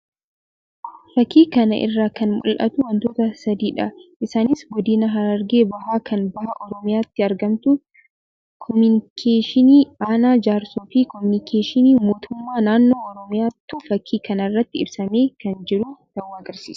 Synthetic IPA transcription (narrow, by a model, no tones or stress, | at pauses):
fɐkːiːkɐnɐ̰ʔɪ̰rːaːkɐnmʊ̰lʔɐ̰t̪ʊwɐnt̪o̞ːt̪ɐsɐd̪iːᶑɐʔɪsaːnɪsɡɔd̪ɪnɐɦɐɾɐɾɡe̞ːbɐɦaːkɐnbɐhɐʔɔɾɔmɪjaːt̪ːɪɐɾɡɐmt̪ʊ | kʰɔmʊnɪkʰeːʃɪniːaːnaːd͡ʒaːɾsuːfiːkɔmʊnɪkʰeːʃɪniːmo̞ːt̪ʰʊmːaːnaːnːo̞ːɔɾɔmɪjaːt̪ːufɐkʰːiːkɐnɐrːɐt̪ːɪɪbsɐmeːkɐnd͡ʒɪɾʊd̪̥ɐwːaːɐɡɐɾsḭːsɐ̥